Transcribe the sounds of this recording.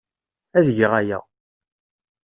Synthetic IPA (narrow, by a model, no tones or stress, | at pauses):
æðʝəʁæjæ̰